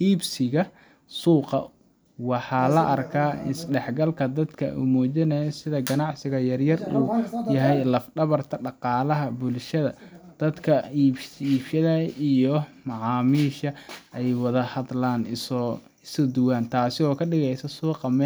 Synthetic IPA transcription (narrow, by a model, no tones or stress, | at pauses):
ʔiːbsɪɣɐ | suːqɑ̰ | wɑħɑːlɐʔɐrkʰaːɪ̰sɖɛħɡɐlkʰɐd̪ɐd̪kʰɐ̰ʔṵːmɔːt͡ʃɪnɐjɔsɪðɐɡɐnɑʕsɪɣɐjɐrjɐruːjɐɦɛjlɐfɖɐβɐrt̪ʰɐɖɑqɑːlɐɦɐbʊlʃɐðɐ̰d̪̥ɐd̪kʰɐiːiːbʃɐðɐijɔmɑʕɑːmiːʃɐʔɛjwɑðɐhɐðlaːn | ɪsɔd̪ʊwaːnt̪ʰaːsɪɔːkʰɐɖɪɣɛjsɐsuːqɑmɛː